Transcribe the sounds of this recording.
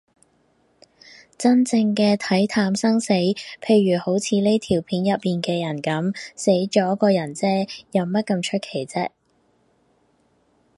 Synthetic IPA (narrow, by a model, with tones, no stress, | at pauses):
t͡sɐ˥nt͡sɪ˧ŋkɛː˧t̪ʰɐ˨˥jt̪ʰaː˧msɐ˥ŋse˨˥jpʰe˧jɥyː˨˩ho˨˥wt͡sʰiː˨˧le˥jt̪ʰiː˨˩wpʰiː˨˥njɐ˨t̚miː˨nkɛː˧jɐ˨˩nkɐ˨˥mse˨˥jt͡ʃɔː˨˥kɔː˧jɐ˨˩nt͡sɛː˥jɐ˨wmɐ˥t̚kɐ˧mt͡ʃʰɵ˥t̚kʰe˨˩jt͡sɛ˥